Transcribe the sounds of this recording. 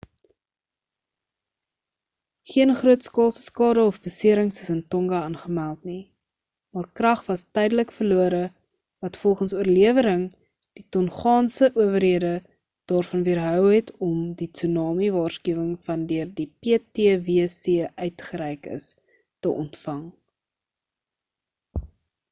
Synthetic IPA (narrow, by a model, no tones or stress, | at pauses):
χiənχruətskɑːlˠsə̥skɑːdəɔfbəsiəɾəŋsəsəntɔŋɡɐɑnχəmælˠtni | mɑːrkrɐχvɐstɛjdələkfərluəɾə | vɐtfɔlˠχənsuərliəvəɾəŋ | d̥itɔnχɑːnsəʔuəvərɦiədə | d̥ɑːrfɐnviərɦœwɦɛtʰɔmdit͡synɑːmivɑːrskyəwəŋfɐndøərdipeːteəviəsiəʔœɥtχəɾɛjkə̰s | təʔɔ̰ntfɐŋ